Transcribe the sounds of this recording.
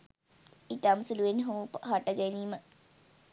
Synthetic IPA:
itamsuluʋenɦupɦaʈəɡɛniːmə

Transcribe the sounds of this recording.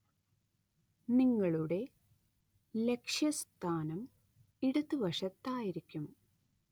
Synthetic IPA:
niŋːɐɭuɽe̞ | le̞kʂjɐst̪ʰaːnɐm | iɽut̪ːɨʋɐʂɐt̪ːaːjiɾikʲːum

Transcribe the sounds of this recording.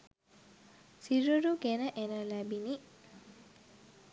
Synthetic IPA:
siɾuɾuɡenəʔenəlæbini

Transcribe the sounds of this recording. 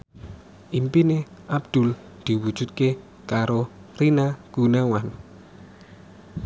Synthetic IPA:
ʔimpineʔab̚d̪̥ʊ̤l | d̪̥i̤wud̥ʒ̥ṳt̪̚ke | kaɾorinaɡ̥unawan

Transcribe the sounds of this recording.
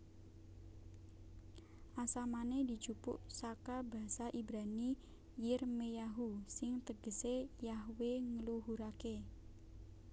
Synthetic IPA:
ʔasamaned̪i̤̥t͡ʃupʊ̰ʔsakaba̤saʔibɾani | jɪrmejaɦusɪŋt̪əɡ̥əsejaɦweŋəluɦuɾake

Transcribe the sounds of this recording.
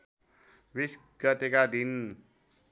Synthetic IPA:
bis | ɡʌt̪ekad̪in

